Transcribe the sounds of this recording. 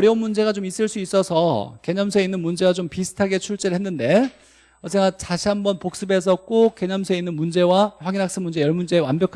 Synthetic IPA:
ʌɾjʌunmund͡ʑe̞ɣat͡ɕomis͈ɯɭs͈uis͈ʌsʰʌke̞ɲʌmsʰueinːɯnmund͡ʑe̞ɡat͡ɕompisʰɯ̥tʰaɡe̞t͡ɕʰuɭt͡ɕ͈eɾɯɭhe̞nːɯnde̞ | ʌsʰeŋɡat͡ɕaɕʰiɦambʌnpok̚s͈ɯbe̞s̬ʰʌk͈oke̞ɲʌmsʰue̞inːɯnmund͡ʑe̞waɸwaɡinɦak̚s͈ɯmund͡ʑe̞jʌɭmund͡ʑe̞ːwanbjʌkʰ

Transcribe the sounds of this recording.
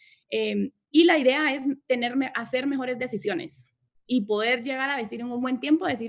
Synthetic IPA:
em | ilaiðe̞ae̞st̪e̞ne̞ɾmeʔase̞ɾme̞xo̞ɾe̞zd̪e̞sisjo̞nḛs | ipo̞ðe̞ɾʝe̞ɣaɾaðe̞siɾeŋuŋbwe̞nt̪je̞mpoðe̞s̬iɾ

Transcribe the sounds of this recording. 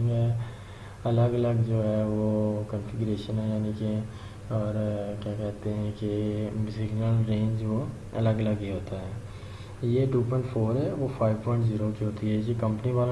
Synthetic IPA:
ɛ | ɐləɡɐləɡd͡ʒoːɦɛːʋokənfɪɡʊɾeːʃənɛd͡ʒaːnikeɛ̃ | ɔːɾkjaːkɛɦt̪eɦɛ̃kesɪɡnəlɾẽːɲd͡ʒʋo | ɐ̰ləɡələɡɦiɦoːt̪aɦɛː | jeʈuːpɔ̃ɪ̃ɳʈfʰoːɾɦɛʋopʰaːɪʋpɔ̃ːɪ̃ɳʈziːɾokiɦoːt̪iɦɛd͡ʒekɐ̃mpəniʋaːl

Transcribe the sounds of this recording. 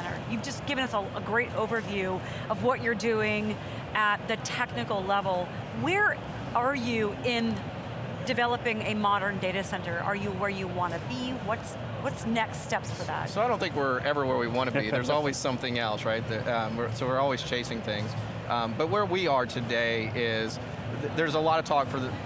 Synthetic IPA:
ɾə̰˞jʉvd͡ʒʌsɡ̥ɪvɨ̃nʌsəəɡɹeɪɾoʊvə˞vjʉ | ʌvwʌt͡ʃə˞dʉɪ̃ŋ | ʔɨt̪̚ðɨtʰɛknɨkl̩ˠlɛvl̩ˠ | wə˞ | ə˞jɨɪ̃n | dɨvɛlˠəpɪ̃ŋɨmɑɾə̃˞ndeɪɾɨsɛ̃ntə˞ʔə̰˞jɨwə˞jɨwɑ̃nɨbiwʌts | wʌtsnɛkstɛpsfə˞ðæ̰t̚soaɪɾõʊ̃nθɪ̃ŋkwɪɹɛvɹiwɛɹwiwɑ̃ñɨbiðə˞zɔlˠwiz̥sʌ̃mθɪ̃ŋɛlˠsɹaɪt̪̚ðɨʌ̃wɪɹsoʊwɪɹɔlˠwiz̥t͡ʃʰeɪsɪ̃ŋθɪ̃ŋz̥ | ʔʌ̃mbʌt̚wə˞wiə˞tʰɨdeɪɪz | ððə˞zəlɔɾʌv̥tʰɔkfə˞ðɨ

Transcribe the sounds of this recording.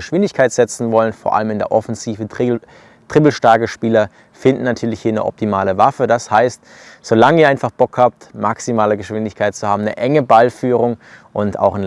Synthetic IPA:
əʃv̥ɪndɪçkʰaɪtz̥ɛt͡sn̩vɔlənfoːɐʔa̰ləmɪndeːɐʔɔfɛnziːvə | tʁ̥ɪbl̩ʃtaɐkəʃpiːlɐ | fɪndn̩natʰyːɐlɪçhiːɐnə̰ʔɔ̰p̚tʰimaːləvafədashaɪst | z̥olaŋəiːɐaɪnfaχb̥ɔkhaːp̚tmaksimaːləɡəʃv̥ɪndɪçkʰaɪt̚t͡suhaːbm̩nə̰ʔɛŋəbalfyːʁʊŋʔʊnta̰ʊxn

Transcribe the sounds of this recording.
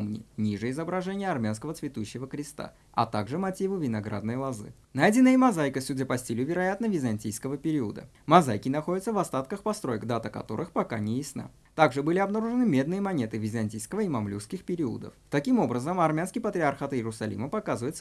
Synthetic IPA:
mnʲɪ̰nʲiʐɨɪzəbɾɐʐɛnʲɪjəɐrmʲanskəvət̪svʲɪt̪uɕːɪvəkɾʲɪst̪a̰ | ɐ̰t̪aɡʐɨmɐtʲivɨvʲɪnɐɡɾa̰d̪nəjlˠɐzɨ̰ | najdʲɪnːəjəmɐzajkəsʲudʲapɐsʲtʲilʲʊvʲɪɾɐjat̪nəvʲɪzɐnʲtʲijskəvəpʲɪɾʲiəd̪ə̰ | mɐzajkʲɪnɐxo̞dʲɪt̪səvɐst̪at̪kəxpɐst̪ɾo̞jəkd̪at̪əkɐ̰t̪o̞̰ɾɨxpɐkanʲɪjɪsna̰ | t̪aɡʐɨbɨlʲɪɐbnɐɾuʐɨnɨmʲe̞d̪nɨjəmɐnʲe̞t̪ɨvʲɪzɐnʲtʲijskəvəimɐmlʲufskʲɪxpʲɪɾʲiə̰d̪ə̰ft̪ɐkʲimo̞bɾəzəmɐrmʲanskʲɪjpət̪ɾʲɪɐrxat̪ɪɾʊsɐlʲḭməpɐkazɨvəjɪt̪sə

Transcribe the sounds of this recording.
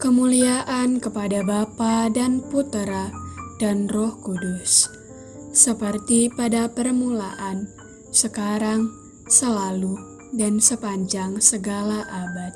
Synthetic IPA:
kəmuliaʔankəpadabapadanput̪ɾadanrɔhkudus | səpərt̪ipadapərmulaʔan | səkaɾaŋ | səlalu | dansəpaɲd͡ʒaŋsəɡalaʔabat̪̚

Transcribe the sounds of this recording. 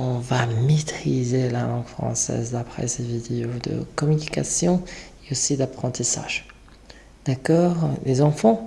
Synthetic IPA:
ɔ̃vamet̪χizelalɑ̃ɡfχɑ̰̃sɛ̰zd̪apχɛ̰sevid̪eod̪ə̰kɔmynikasjɔ̃eosid̪apχɑ̃t̪isa̰ʒ | d̪̥akɔːʁlezɑ̃fɑ̃

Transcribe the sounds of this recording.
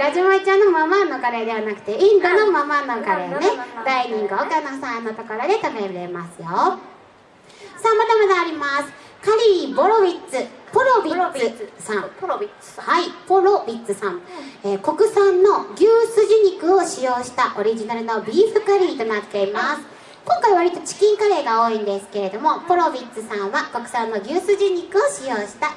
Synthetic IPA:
ɡad͡ʑɨmait͡ɕãnːomamano̞kaɾe̞d̪e̞βanakɯ̟̥t̪eĩnd̪ono̞mamanokaɾe̞ne̞d̪aiɲ̟ĩŋɡɯ̟ok̪anosãanot̪okaɾad̪e̞t̪ameɾɯɾe̞masɨjo | saːmad̪amad̪aːɾʲimasɨ̥ | kaɾʲiːbo̞ɾobʲit͡sɨpoɾobʲiɨsãm | haipoɾobʲit͡sɨsãmeːko̞kɯ̟sãnːo̞ɡʲɯːsɨʑɨɲ̟ikɯ̟oɕijo̞ːɕi̥t̪aʔo̞ɾʲiʑinaɾɯ̟no̞bʲiːɸɯ̟kaɾʲiːt̪o̞nat̪ːe̞imasɨ̥ | kõ̞ŋkaiβaɾʲit̪o̞t͡ɕi̥kʲĩŋkaɾe̞ːɡao̞ːĩnd̪e̞sɨ̥ke̞ɾe̞d̪o̞mo̞poɾo̞bʲit͡sɨsãɰ̃βako̞kɯ̟̥sãnːo̞ɡʲɯːsɨʑiɲ̟ikɯ̟o̞ɕijo̞ːɕi̥t̪a

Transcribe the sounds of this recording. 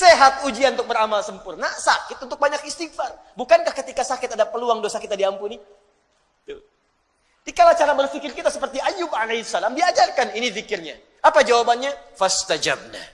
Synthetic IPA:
seɦat̪̚ud͡ʒianunt̪ʊk̚bəɾamalsəmpʊrnasa̰kɪt̪̚unt̪ʊk̚baɲakist̪iɡ̚far | bukankahkət̪ikasakɪt̪adapəluaŋdosakit̪adiampuni | t̪ʊ | dikalat͡ʃaɾabərfikɪrkit̪asəpərt̪iʔajʊbalesalamdiad͡ʒarkaninifikɪrɲa | apad͡ʒawabanɲafast̪ad͡ʒab̚na̰

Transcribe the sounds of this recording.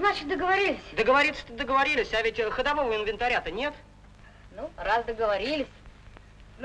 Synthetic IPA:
znat͡ɕɪt̪d̪əɡəvɐɾʲilʲɪsʲd̪əɡəvɐɾʲit̪sə̥t̪əd̪əɡəvɐɾʲilʲɪsʲavʲɪtʲxəd̪ɐvo̞vəɪnvʲɪnt̪ɐɾʲat̪ənʲe̞t̪ | nurasd̪əɡəvɐɾʲilʲɪsʲ

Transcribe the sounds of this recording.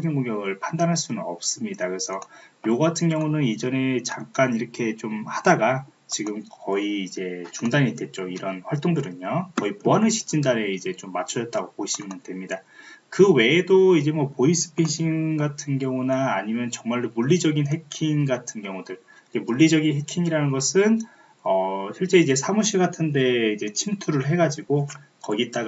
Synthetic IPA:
ɡʰinɡoŋɡjʌɡɯɭpʰandanɦaɭs͈unɯnʌp̚s͈ɯmɲidakɯɾesʰʌjoɡatʰɯnɡjʌŋunɯnid͡ʑʌne̞t͡ɕaŋk͈aniɾʌkʰe̞t͡ɕomhadaɡa | t͡ɕiɡɯmkʌiːd͡ʑe̞t͡ɕuŋdaɲidwe̞t̚t͡ɕ͈oiɾʌnɸwaɭt͈oŋdɯɾɯɲokʌipoanɯɕʰi̥t͡ɕ͈ʰindaɾe̞id͡ʑe̞t͡ɕomːat͡ɕʰʌʌt͈aɡopoiɕʰimɯndwe̞mɲidakɯwe̞ːdoid͡ʑe̞mwʌpois͈ɯ̥pʰiɕʰinɡatʰɯnɡjʌŋunaːɲimjʌnt͡ɕʌŋmaɭomuɭːid͡ʑʌɡinɦe̞kʰinɡatʰɯnɡjʌŋudɯɭ | ike̞muɭːid͡ʑʌɡinɦe̞kʰiŋiɾanɯnɡʌsʰɯn | ʌɕʰiɭt͡ɕ͈e̞id͡ʑe̞sʰamuɕ̬ʰiɡatʰɯnde̞id͡ʑe̞t͡ɕʰimtʰuɾɯɭɦe̞ɡad͡ʑiɡokʌɡit͈aɡ

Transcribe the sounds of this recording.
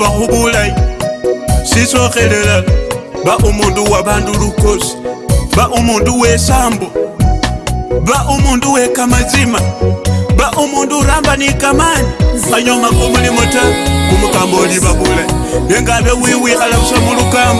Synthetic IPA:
axuβulaji | siso̞xe̞lelaβaʔumuːnduwaβaːnduluko̞si̥βaʔumuːnduwe̞saːmbo | βaʔumuːnduwe̞kamat͡sima | βaʔumuːnduɾaːmbanikamanixaɲomakomulimotakumukaːmboliβaβulaji | jeːŋɡaβewiːwialaβusamulukaːmb

